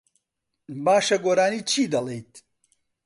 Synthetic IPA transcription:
baːʃɐɡoːɾaːniːt͡ʃʰiːd̪ɐlejt̪̚

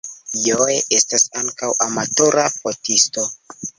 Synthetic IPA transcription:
jojeʔe̞stasaŋkawʔamato̞ɾapotisto̞

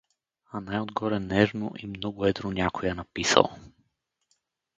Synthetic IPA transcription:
anajod̪ɡɔɾɛnɛʒno̰ʔimnɔɡʊɛd̪ɾonʲakojɛnɐpisə̰lˠ

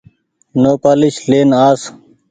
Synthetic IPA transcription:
noːpaːliɕleːnaːs

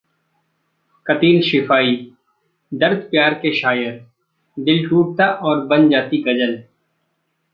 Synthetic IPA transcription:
kɐt̪iːlʃɪfaːi | d̪əɾd̪pjaːɾkeʃaːjəɾ | d̪ɪlʈuːʈ̚t̪aʔɔːɾbɐ̃nd͡ʒaːt̪iɡɐd͡ʒəl

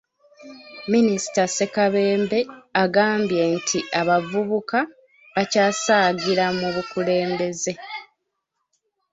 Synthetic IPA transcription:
minisi̥tase̞kaβe̞ːmbe̞aɡaːmbje̞ntʰiʔaβavuβuka | βacaːsaːɟiɾamuβukule̞ːmbe̞ze̞

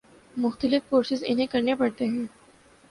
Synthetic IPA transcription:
mʊxt̪əlɪfːoːɾsɪzɪ̰nɦẽkɐɾnepɐɽt̪eɦɛ̃ː

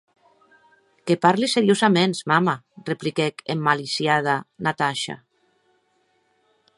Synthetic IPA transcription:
kepaɾliseɾjozamensmamareplikɛkemːalisjað̞anat̪aʃa̰

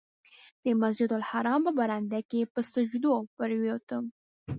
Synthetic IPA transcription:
d̪̥əmasd͡ʒɪd̪alhaɾɑmpəbaɾand̪akepəsəd͡ʒd̪opəɾwjot̪əm

